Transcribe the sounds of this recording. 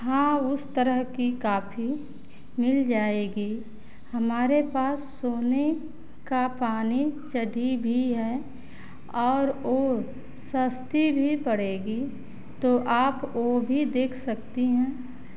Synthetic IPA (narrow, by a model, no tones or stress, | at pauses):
ɦãːʊst̪əɾəɦkikaːfʰi | mɪld͡ʒaːeːɡi | hɐmaːɾepaːsːoːne | kapaːnit͡ʃɐɽʱibʱiɦɛː | ɔːɾoː | səst̪ibʱipɐɽ̤eːɡi | t̪oʔaːpoːbʱid̪eːkʰsɐk̚t̪iɦɛ̃ː